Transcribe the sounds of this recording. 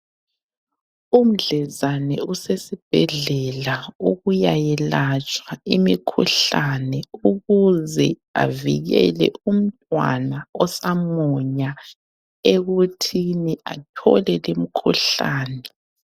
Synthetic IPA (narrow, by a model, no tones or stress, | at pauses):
um̩ɮɛzanɛusesib̥̚ʱɛɮɛlauɣujajɛlat͡ʃʼwaimikʰṵɬanɛuɣuzɛ | a̰viɣɛ̰lɛ̰um̩tʼwa̰naɔsamɔɲa | eɣutʰiniʔatʰɔ̰lɛlemikʰuɬaːnɛ